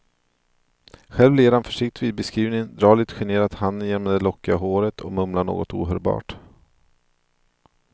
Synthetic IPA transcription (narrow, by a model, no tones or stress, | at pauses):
ɧɛlvleːɾhanfœʂɪkt̪viːd̪̚bɛskɾiːvnɪŋd̪ɾɑːɭɪt̪ɧɛɳeːɾat̪hanːənjeːnmɛd̪ɛlɔkːɪaɦoːɾət̪ʰɔ̰mɵmlaɳo̰ːɡɔt̪ṵːɦœːɾbɑ̰ːʈ